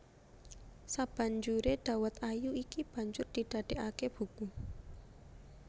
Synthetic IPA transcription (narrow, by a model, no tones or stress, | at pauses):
sab̥a̤ɲd͡ʒuɾeɖ̥a̤wət̪ajuikib̥a̤ɲd͡ʒʊrd̪̥i̤ɖ̪̥a̤ɖ̪̥eʔakeb̥uku